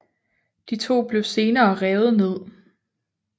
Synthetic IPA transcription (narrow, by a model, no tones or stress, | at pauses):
d̥it͡sʰo̝̰ːb̥le̝ʊse̝ːnɐːʁɛːð̩ˠne̝ð̞̰ˠ